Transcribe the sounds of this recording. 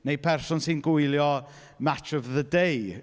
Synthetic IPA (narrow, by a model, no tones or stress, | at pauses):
nejpʰɛrsɔnsɪnɡʊɨlˠjɔ | mat͡ʃɔvðədej